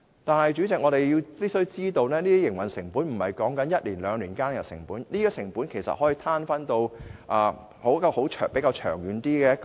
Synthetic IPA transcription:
t̪aː˨nhɐ˨jt͡ʃyː˨˥t͡sɪ˨kŋɔː˨˧ɾe˨jji˧wpi˥sɵ˥ɥt͡siː˥t̪o˧wnɛː˥niː˥t̪i˥jɪ˨˩ŋwɐ˨nsɪ˨˩ŋpuː˨˥nm̩˨˩hɐ˨jkɔː˨˥ŋkɐ˨˥njɐ˥t̚liː˨˩nlœː˨˧˥ŋliː˨˩nkaː˥nkɛ˨˩sɪ̰˨˩ŋpuː˨˥nliː˥ɡɔː˧sɪ˨˩ŋpuː˨˥nkʰe˨˩jsɐ̰˨hɔ˨˥jiː˧t̪ʰaː˥nfɐ˥nt̪o˧wʔaː˨˩ | ho˨˥kɔ˧ho˨˥wt͡ʃʰːpe˨˥jkaː˧wt͡ʃʰœː˨˩ŋjyː˨nt̪iː˥kɛː˧jɐ˥k

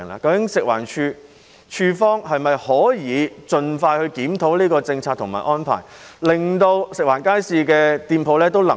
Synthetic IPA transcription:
ŋla̰ː˨kɐ˧wkɪ˨˥ŋsɪ˨k̚wa̰ː˨˩nt͡ʃʰyː˧ | t͡ʃʰyː˧fɔː˥ŋhɐ˨jmɐ˨jhɔː˨˥jiː˨˧t͡ʃɵ˨nfaː˧jhɵ˧ɥkiː˨˥mt̪ʰo˨˥wliː˥kɔː˧t͡sɪ˧ŋt͡sʰaː˧t̚t̪ʰʊ˨˩ŋma̰ː˨˩ʔɔː˥npʰa̰ː˨˩jlɪ˨ŋt̪o˧wsɪ˨k̚waː˨˩nkaː˥jsiː˧kɛː˧t̪iː˧npʰo˨˧wlɛː˥t̪o˥wlɐ˨˩

